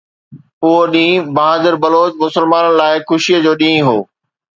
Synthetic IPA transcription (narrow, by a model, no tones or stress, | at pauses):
ʊɦoɗĩːbɐɦaːd̪əɾbɐloːd͡ʑmʊsəlmaːnənɪ̆laːɪxʊʃiəd͡ʑoːɗĩːɦoː